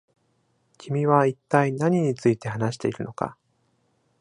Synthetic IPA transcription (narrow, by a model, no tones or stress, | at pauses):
kʲimʲiβait̪ːainaɲ̟iɲ̟it͡sɨit̪e̞hanaɕi̥t̪e̞iɾɯ̟no̞ka̰